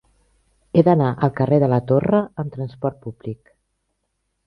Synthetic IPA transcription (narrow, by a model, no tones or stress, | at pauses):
eðənaʔəlˠkəreðələt̪orəəmt̪ɾənspɔɾt̪̚puβlik